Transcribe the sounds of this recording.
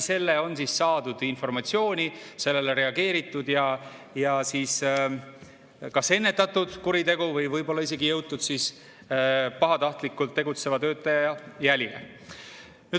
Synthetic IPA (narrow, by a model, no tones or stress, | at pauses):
se̞lːeo̞nsisːɑːd̪̥ud̪̥info̞rmɑt̪sio̞ːnʲise̞lːe̞lere̞ɑɡe̞ːɾit̪ːˑud̪̥jɑ | jɑsiːs | kɑse̞nːe̞t̪ːˑɑt̪ːˑud̪̥kuɾit̪e̞ɡuvɯjvɤjbo̞lːɑise̞ɡijɤwt̪ːud̪̥siːs | pɑɦɑt̪ɑht̪likːult̪ːe̞ɡut̪se̞vɑt̪ø̞ːt̪ːˑɑjɑjɑjælʲilḛ | ny̥